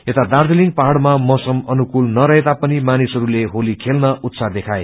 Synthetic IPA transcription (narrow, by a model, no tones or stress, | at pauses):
et̪ad̪ard̪eliŋɡpaɦɽmamʌsʌmʌnukulnʌɾʌɦet̪apʌnimanisɦʌɾuleɦolikʰelnʌʔut̪sad̪ekʰaj